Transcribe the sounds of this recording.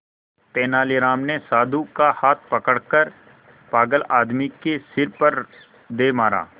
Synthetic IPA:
t̪eːnaːliɾaːmnesaːd̪ʱukahaːt̪̚ʰpɐkəɽkəɾ | paːɡəlaːd̪mikesɪɾpɐɾ | d̪eːmaːɾa̰ː

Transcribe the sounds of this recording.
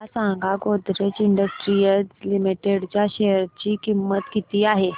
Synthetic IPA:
asãŋɡʱaɡod̪ɾet͡ɕiɳɖəsʈɾijəzlimiʈeɽt͡ɕjaɕɛəɾt͡ɕikimːət̪kit̪iaɦe

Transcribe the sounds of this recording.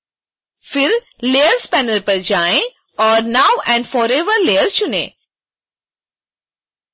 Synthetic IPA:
fɪɾ | leːəɾspɛːnəlpɐɾd͡ʒaːẽ | ɔːɾnaːʊɛ̃ːɳɖfɔːɾeːʋəɾleːjəɾt͡ʃʊnḛ̃ː

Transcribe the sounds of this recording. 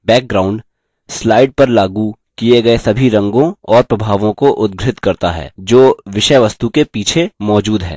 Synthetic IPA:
bɛːk̚ɡɾaːʊ̃ɳɖ | slaːɪɖ̚pɐɾlaːɡu | kieɡɐesɐbʱiɾɐ̃ŋɡõɔːɾpɾɐbʱaːʋõkoʔʊd̪̚ɡɾɪt̪kɐɾt̪a̰ɦɛ̰ːd͡ʒoːʋɪʃəjʋɐst̪ukepiːt͡ʃʰemɔːd͡ʒuːd̪ɦɛ̰ː

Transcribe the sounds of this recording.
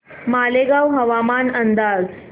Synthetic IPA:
maleɡawɦəʋamanənd̪ad͡z

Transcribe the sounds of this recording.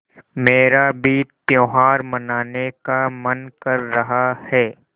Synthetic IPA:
meːɾabiːt̪̚pjoːɦaːɾmɐnaːnekamɐnkɐɾːɐɦahɛː

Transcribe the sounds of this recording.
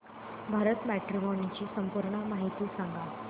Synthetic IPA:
bʱaɾət̪mæʈɾimɔnit͡ɕiːsəmpuɾɳəmaɦit̪iːsãŋɡʱa

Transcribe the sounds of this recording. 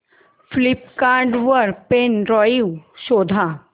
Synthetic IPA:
flipkaːɾɖʋəɾpenɾɔːiwʃoːd̪ʱa

